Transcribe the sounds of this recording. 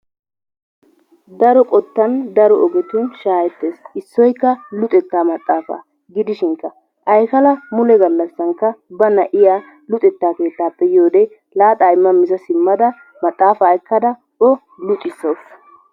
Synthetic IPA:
d̪ɐɾɔkʼɔt̪ːɐnd̪ɐɾɔɔɡɛt̪ʊnʃaːjɛt̪ːeːsɪsːɔjkːɐlʊt̪ʼɛt̪ːaːmɐt̪ʼːaːfa̰ː | ɡɪd̪ɪʃɪŋkːɐ | ʔɐjkɐlɐmʊlɛɡɐlːɐsːɐŋkːɐbɐnɐʔɪjaː | lʊt̪ʼɛt̪ːaːke̞ːt̪ːaːpːɛjo̞ːd̪ɛ | laːt̪ʼaːɪmːɐmɪzɐsɪmːɐd̪ɐ | mɐt̪ʼːaːfaːɪkːɐd̪ɐ | ʔɔ | lʊt̪ʼɪsos

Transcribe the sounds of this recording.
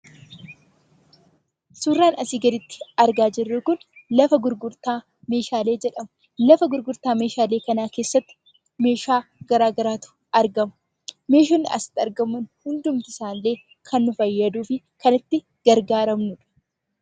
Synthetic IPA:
surːaːnɐsiːɡɐd̪ɪt̪ːɪ̥ɐɾɡaːd͡ʒɪrːʊkʊnlɐfɐɡʊɾɡʊɾt̪aː | me̞ːʃaːle̞ːd͡ʒɛᶑɐmɐ | lɐfɐɡʊɾɡʊɾt̪aːme̞ːʃaːleːkɐnaːke̞ːsːɐt̪ːɪ̥ | me̞ːʃaːɡ̥ɐɾaːɡɐɾaːt̪ʊ̥ | ɐɾɡɐmɐ̥ | me̞ːʃɐnːɪʔɐ̰sɪ̥t̪ːɐɾɡɐmːʊnhʊnd̪ʊmt̪ɪsaːnːe̞ː | kʰɐnːʊfɐjːɐd̪uːfɪ | kɐnɪt̪ːɪ | ɡ̥ɐɾɡaːɾɐmnʊᶑɐ̥

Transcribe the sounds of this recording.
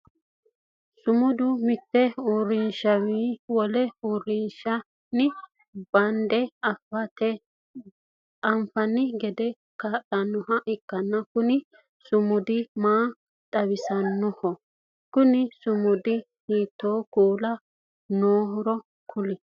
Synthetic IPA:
sʊmʊd̪ʊmɪt̪ːɛuɾɪnʃɐwiːwɔlɛuɾːɪnʃɐ | nɪ | b̥ɐnd̪ɛɐfɐt̪ɛ | ɐmfɐnːɪɡɛd̪ɛ | kaːɗɐnːɔhɐʔɪkːɐnːɐkʊnɪ | sʊmʊd̪ɪmaː | t̪ʼɐwɪsɐnːɔhɔ | kʊnɪsʊmʊd̪ɪ | hiːt̪ːoːkuːlɐ | noːɦɔɾɔ | kʰʊlɪ

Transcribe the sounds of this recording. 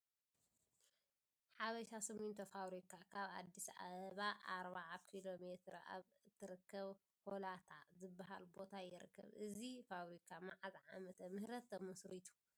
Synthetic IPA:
ħaβɐʃasɐmunt̪ʰɐfaβɾikʰakʰaβa̰d̪ːisa̰ββaʔaɾβaʕakʰilomet̪ʰɾa̰β | t̪ʰːɨɾɨkːɐβ | holat̪ʰazɨbːaɦa̰lbo̞t̪ʰajɪɾɨ̰kʰːɐ̰βɨzifaβɾikʰamaʕazʕa̰mɐt̪ʰɐmɨhɾɐt̪ʰːɐmɐsɾit̪ʰu̥

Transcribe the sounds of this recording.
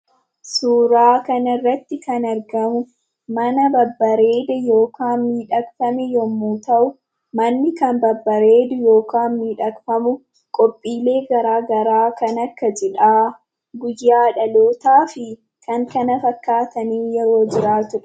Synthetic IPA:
suːɾaːkɐnɐɪrːɐt̪ːɪkɐnɐɾɡɐmʊ | mɐnɐbɐbːɐɾe̞ːd̪ɛjo̞ːkaːnmiːᶑɐkfɐmɛjɔmːuːt̪ɐʔʊ | mɐnːɪkɐnbɐbːɐɾe̞ːd̪ʊjo̞ːkaːnmiːᶑɐkfɐmʊ | kʼɔpʼːiːle̞ːɡɐɾaːɡɐɾaːkɐnɐkːɐd͡ʒɛᶑaː | ɡʊjːaːᶑɐloːt̪aːfɪ | kʰɐŋkɐnɐfɐkːaːt̪ɐniːjɛɾo̞ːd͡ʒɪɾaːt̪ʊᶑ

